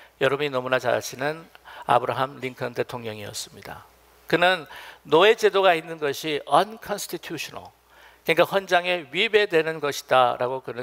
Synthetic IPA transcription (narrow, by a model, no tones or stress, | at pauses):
jʌɾʌbminʌmunat͡ɕa̰ɭt͡ɕʰinɯna̰bɯɾaɦamliŋkʰʌnte̞tʰoŋɲʌŋiʌ̰s͈ɯmɲida̰ | kɯnɯnːoe̞t͡ɕe̞doɡainːɯnɡʌɕʰiʔʌnkʰʌnsʰtʰitʰjuɕʰʌnʌ̰ɭ | keɲŋkaɸwʌnd͡ʑaŋe̞ɥibe̞dwe̞nɯnɡʌɕʰi̥daɾa̰ɡokɯnɯ